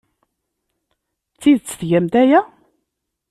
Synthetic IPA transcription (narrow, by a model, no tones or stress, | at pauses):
t͡sːiðt͡sːə̥θʝæmd̪æjæ